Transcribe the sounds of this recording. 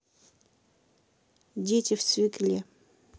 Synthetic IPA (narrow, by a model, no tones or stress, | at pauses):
dʲetʲɪft̪svʲɪklʲe